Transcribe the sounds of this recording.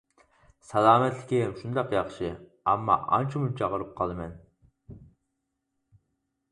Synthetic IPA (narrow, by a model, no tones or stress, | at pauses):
sɛlˠɑːmɛt̪lɪkʲimʃund̪ɑqjɑχʃɨ | ɑ̰mːɑ̰ʔɑ̰nt͡ʃʰimut͡ʃʰɑʁəɾɨp̚qʰɑlˠɨmɛn